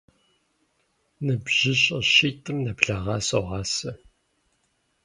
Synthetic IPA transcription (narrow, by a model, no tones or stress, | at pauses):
nɨbʑ̥ɪɕʼɪɕiːtʰʼɨmnɐbɮaʁɑːsoʁɑːsɐ